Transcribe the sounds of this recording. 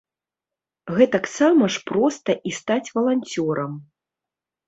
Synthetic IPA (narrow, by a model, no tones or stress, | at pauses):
ɣɛt̪aksamɐʂpɾɔst̪ɐʔist̪at͡sʲvɐlˠanʲt͡sʲɔɾɐm